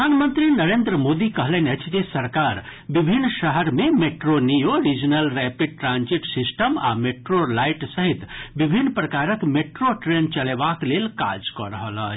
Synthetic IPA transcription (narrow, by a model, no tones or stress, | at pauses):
əd̪ʱanmənt̪ɾinəɾend̪ɾəmod̪ikəɦlɛnət͡ʃʰd͡ʒesəɾkaɾ | bibʱinːʃəɦəɾmemeʈɾonijoɾid͡ʒənəlɾɛpiɖ̚ʈɾãnd͡ʒiʈsisʈəma̰meʈɾolajʈsəɦit̪bibʱinːpɾəkaɾəkmeʈɾoʈɾent͡ʃəlebaklelka̰d͡ʒkɔɾəɦələ̰t͡ʃʰ